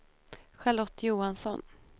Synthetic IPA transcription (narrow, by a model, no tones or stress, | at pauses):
ɧalɔt̪ːjuːansɔn